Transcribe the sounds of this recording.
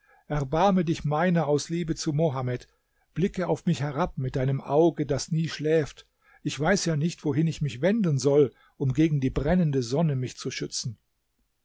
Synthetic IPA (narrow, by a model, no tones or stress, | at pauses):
ʔɛɐbaɐmədɪçmaɪnɐaʊsliːbət͡sumoɦamɛt | b̥lɪkəaʊfmɪçhɛʁap̚mɪt̚d̥aɪnəmʔa̰ʊɡədasniːʃlɛːft | ʔɪçv̥aɪsjaːnɪçtv̥oɦɪnɪçmɪçv̥ɛndn̩zɔl | ʔʊmɡeːɡŋ̩diːbʁɛnəndəzɔnəmɪçt͡suʃʏt͡sn̩